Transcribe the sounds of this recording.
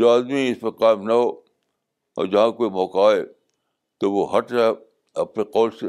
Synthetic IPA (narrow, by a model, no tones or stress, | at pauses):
d͡ʒoaːd̪miɪspɐqaːɪmnɐɦoː | ɔ̰ːɾd͡ʒɐɦãkoːimɔːkaːe | t̪oʋoɦɐʈɾɛ | ɐpneqɔːlse